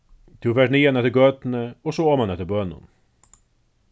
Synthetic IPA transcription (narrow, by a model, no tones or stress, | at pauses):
t̪ʰɪʋæɖɳiːanɛt̪ːəɾɡøːt̪n̩əɔsoɔːmanɛt̪ːəbœnʊ̰n